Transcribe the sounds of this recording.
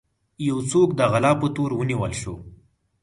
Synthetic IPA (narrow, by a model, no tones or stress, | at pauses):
jawt͡sokd̪əɣalɑpət̪oɾwəniwəlʃo